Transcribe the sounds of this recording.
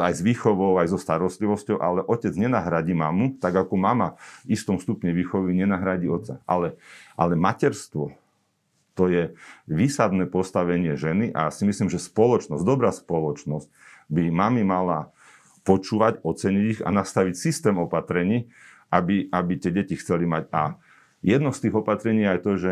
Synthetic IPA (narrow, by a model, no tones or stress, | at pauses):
ajzʋiːxɔʋɔʊajzɔst̪aɾɔst̪liʋɔscɔʊʔa̰lɛʔɔcɛd͡zɲɛnaɦɾaɟiːmamut̪aɡakɔmamaist̪ɔmst̪upɲɛʋiːxɔʋiɲɛnaɦɾaɟiːɔt̪t͡sːa̰ʔa̰lɛʔa̰lɛmacɛɾst̪ʋɔ | t̪ɔjɛʋiːsad̪nɛːpɔst̪aʋɛɲɪɛʒɛniʔa̰asimislimʒɛspɔlɔt͡ʃnɔzd̪ɔbɾaːspɔlɔt͡ʃnɔsc̚ | bimamimala | pɔt͡ʃuːʋaɟɔt͡sɛɲiɟiɣa̰nast̪aʋicsist̪ɛːmɔpat̪ɾɛɲiː | ʔabiabit̪ɪɛɟɛcixt͡sɛlimaɟa | jɛd̪nɔst̪iːɣɔpat̪ɾɛɲiːjɛajt̪ɔʒɛ